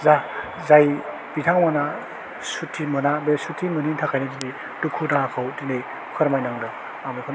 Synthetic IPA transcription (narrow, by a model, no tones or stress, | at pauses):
za | zaj | bitʰaŋmana | sutʰːimɯnabesutʰimɯnintʰakʰajnetinej | tukʰudakʰawtinej | kʰɯɾmajnaŋdɯ | amekʰɔn